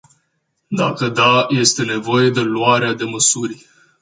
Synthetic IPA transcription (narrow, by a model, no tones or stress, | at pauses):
d̪akəd̪aje̞st̪e̞ne̞vo̞je̞d̪e̞luaɾead̪e̞məsurʲ